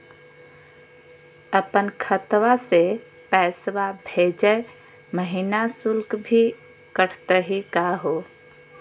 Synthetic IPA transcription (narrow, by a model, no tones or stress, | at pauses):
əpənkʰət̪wase | pɛːsʋabʱed͡ʒə | məɦinasulkbʱi | kəɾt̪əɦikaɦo